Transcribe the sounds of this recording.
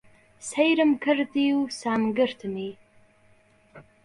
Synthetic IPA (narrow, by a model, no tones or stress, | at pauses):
sejɾɨmkʰɨrdiwsaːmɡɨrtʰɨmi